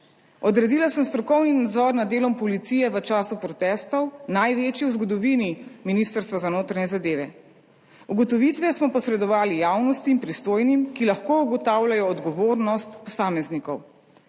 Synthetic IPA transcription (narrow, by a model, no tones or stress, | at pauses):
ɔd̪ɾɛd̪ilasəmst̪ɾɔkɔwninad̪zɔɾnad̪ːeːlɔmpɔlit̪siːjɛʋət͡ʃaːsupɾɔt̪ɛst̪ɔwnajʋet͡ʃiwzɡɔd̪ɔʋiniminist̪əɾst̪ʋazanoːt̪ɾaɲɛzad̪eːʋɛ | uɡɔt̪ɔʋit̪ʋɛsmɔpɔsɾɛd̪ɔʋaːlijawnɔst̪iːmpɾist̪oːjnimkilaxkouɡɔt̪aːwlʲajɔːd̪ɡɔʋoːɾnɔst̪pɔsaːmɛznikɔw